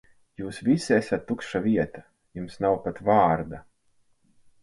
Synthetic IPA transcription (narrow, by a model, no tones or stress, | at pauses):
juːsvisʲesʲat̪ːukʃaviɛt̪ḁ | jumsnawpat̪vaːɾd̪a